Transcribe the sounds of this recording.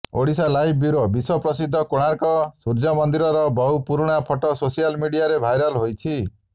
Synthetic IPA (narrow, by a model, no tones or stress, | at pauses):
o̰ɽisalajb̚bjuɾobiswɔpɾɔsid̪ʱːɔkoɽ̃aɾkɔsuɾd͡ʒɔmɔnd̪iɾɔɾɔbɔwpuɾɽ̃apʰɔʈɔsosijalmiɽiaɾebʱajɾɔlɦojt͡ʃʰi